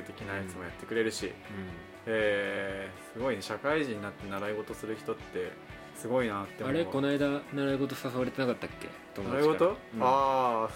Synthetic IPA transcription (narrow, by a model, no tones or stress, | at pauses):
ɯt̪e̞kʲinait͡sɨmo̞jat̪ːe̞kɯ̟ɾe̞ɾɯ̟ɕḭ̃ | eː | sɨɡo̞ineɕakaiʑĩɲ̟ːinat̪ːe̞naɾaiɡo̞t̪o̞sɨɾɯ̟çi̥t̪o̞t̪ːe̞ | sɨɡo̞inat̪ːeaɾe̞ko̞naid̪anaɾaiɡo̞t̪̬o̞sasaβaɾe̞t̪e̞nakat̪ːakːe̞̰t̪omoaiɡot̪oa